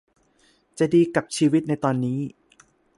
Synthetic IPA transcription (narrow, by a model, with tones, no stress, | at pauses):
t͡ɕa˨˩diː˧ka˨˩p̚t͡ɕʰiː˧wi˦˥t̪̚na˧jt̪ɔː˧nːiː˦˥